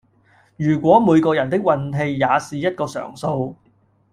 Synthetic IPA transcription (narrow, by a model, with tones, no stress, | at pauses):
jyː˨˩kʷɔː˨˥muː˨˧jkɔː˧jɐ˨˩nt̪ɪ˥k̚wɐ˧nɦe˧jːaː˨˧siː˨jɐ˥t̚kɔː˧sœ̰ː˨˩ŋso˧w